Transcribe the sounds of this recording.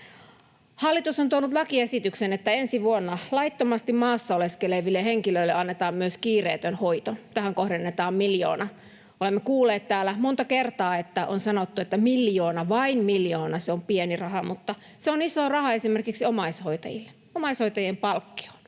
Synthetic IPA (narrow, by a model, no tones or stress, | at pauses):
hɑlːit̪usont̪uonut̪lɑkiesit̪yksenet̪ːæensiʋuonːɑlɑit̪ːomɑst̪immɑːsːɑoleskeleʋilːeheŋkiløilːeɑnːet̪ɑːmmyøskiːreːt̪ønhoit̪ont̪æhæŋkohdenːet̪ɑːmmiljo̰ːnɑ | olemːekuːlːˑeːt̪t̪æːlæmont̪ɑkert̪ɑːet̪ːæʔonsɑnot̪ːuet̪ːæmiljoːnɑʋɑinmiljoːnɑseompienirɑhɑmut̪ːɑ | seonisoːrɑhɑesimerkiksiomɑishoit̪ɑ̰jḭlːe | omɑishoijt̪ɑjempɑlkːi̥o̥l